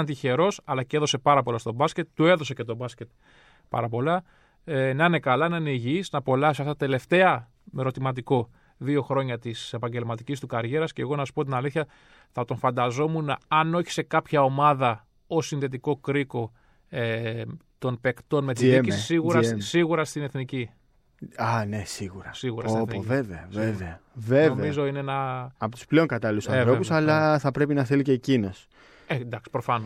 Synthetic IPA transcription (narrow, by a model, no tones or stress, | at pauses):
ɐnt̪içe̞ɾo̞sɐlɐcee̞ðo̞se̞pɐɾɐpo̞lɐst̪o̞bɐsce̞t̪t̪ːue̞ðo̞se̞ce̞t̪o̞bɐscʲe̞t̪̚ | pɐ̰ɾɐp̬o̞lɐ | enɐine̞kɐlɐnɐineʝiznɐpo̞lɐsɐft̪ɐt̪ːt̪e̞le̞ft̪e̞ɐ | me̞ɾo̞t̪imɐt̪iko̞ | ðio̞xɾo̞ɲɐt̪ise̞pɐɲɟe̞lmɐt̪icist̪ukɐɾʝe̞ɾɐsce̞ːɣo̞nɐsu̥pot̪inɐliθçɐ | θɐt̪o̞nfɐnd̪ɐzo̞muneɐno̞çi̥se̞kɐpçɐo̞mɐðɐ | o̞sinðe̞t̪̬iko̞kɾiko̞ | et̪o̞npe̞kt̪o̞nmet̪iicisisiɣuɾɐssiɣuɾɐst̪ine̞θnici | ɐne̞siɣuɾɐsiɣuɾɐoinθniveveɐveveɐvevvemizo̞ineenɐɐpot̪u̥sple̞oŋkɐt̪ɐlilusɐθɾo̞ussɐlɐθɐpɾe̞pinɐθeliceːcino̞s | end̪ɐksi̥pɾofɐn